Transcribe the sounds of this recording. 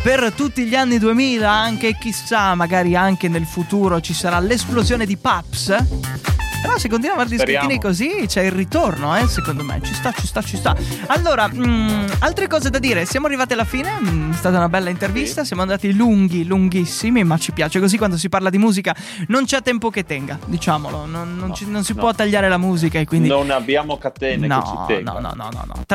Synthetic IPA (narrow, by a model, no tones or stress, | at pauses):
pert̪ut̪ːiʎanːid̪uemiːlaaŋk̟ek̟isamːaɡaːɾiaŋk̟enelfut̪uːɾot͡ʃisaɾalesplozjoːned̪ipaps | peɾɔsek̬ːont̪inwavaɾd̪iskeinikozit͡ʃɛilrit̪ornoɛsekond̪omḛt͡ʃist̪at͡ʃist̪at͡ʃːist̪a | alːoːɾa | alt̪ɾekɔːzed̪ad̪iːɾesjaːmoarːivaːt̪̬ialːafiːneɛst̪aːt̪aunabɛlːaint̪ervist̪asjaːmoand̪aːt̪iluŋɡiluŋɡisːimimat͡ʃːipjaːt͡ʃekozikwand̪os̬iparlad̪imuːzika | nont͡ʃɛt̪ːɛmpoket̪ːɛŋɡad̪it͡ʃaːmolononːont͡ʃinonsipwɔt̪ːaʎːaːɾelamuːzikaekːwind̪inabjaːmokat̪ɛnnɔ̰nɔ̰nɔ̰nɔ̰nɔ̰nːɔ̰t̪